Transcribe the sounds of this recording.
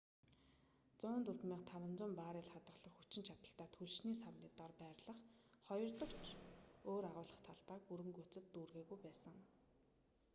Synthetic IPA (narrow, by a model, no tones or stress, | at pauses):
t͡sʊːnt̪urt̪miːqt̪ʰawə̆nt͡sʊːmpaːɾɪːɮχat̪ə̆ɮə̆χxut͡ɕɪ̆nt͡ɕʰat̪ə̆ɬt̪aːt̪ʰuɮʃniːsawniːt̪ɔːrpæːɾʲɮə̆χ | χɔjɞ̆rt̪ɞ̆kt͡ɕʰoːɾaʁʊːɮə̆χt̪ʰaɮpaːk̚uɾɘ̆ŋkut͡sɘ̆t̪ːuːrɣeːɣujpæːsə̆ŋ